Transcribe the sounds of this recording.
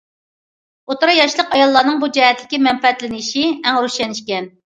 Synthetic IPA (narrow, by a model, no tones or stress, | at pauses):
ot̪ʊɾɑjɑʃlˠəqɑjɑlˠːɑːnɨŋbud͡ʒɛɦɛt̪ʰlɪkʲimɛmpɛɛt̪lɪnɪʃiɛŋɾuʃɛnɪʃkʲɛn